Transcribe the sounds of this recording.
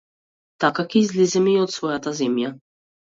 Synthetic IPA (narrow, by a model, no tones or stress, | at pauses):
t̪akakʲizʲlʲizɛmiɔt̪svɔjat̪azʲɛmʲja